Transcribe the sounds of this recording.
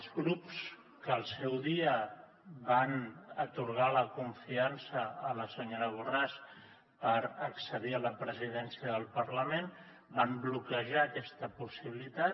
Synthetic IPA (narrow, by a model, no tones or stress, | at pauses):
əzɣɾups | kəːlˠsɛwðiə | βanət̪uɾɣ̞aləkuɱfiansəːləsəɲoɾəɣuras | pəɾəksəðiələpɾəziðɛnsiəðəlˠpəɾləmen | bamblukəʒaːkɛst̪əpusiβilit̪a